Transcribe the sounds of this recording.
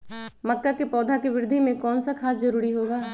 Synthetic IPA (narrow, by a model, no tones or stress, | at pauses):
mɐkːakipɔːd̪ʱakiʋɪɾɪd̪ʱimẽkɔːnsakʰaːsd͡ʒɐɾuːɾiɦoːɡaː